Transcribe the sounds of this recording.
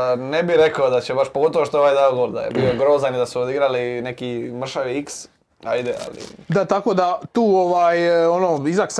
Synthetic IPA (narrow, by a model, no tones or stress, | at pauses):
nebiɾe̞kod̪at͡ɕebaʃpoɡo̞t̪oʋoʃt̪ooʋajd̪aoɡoɾd̪a̰jḛbio̞ɡɾoːzanid̪asuod̪iɡɾaline̞kimr̩ʃaʋiiks | a̰jd̪ea̰lḭd̪at̪ako̞ːd̪at̪uːoʋaːjonoːizaks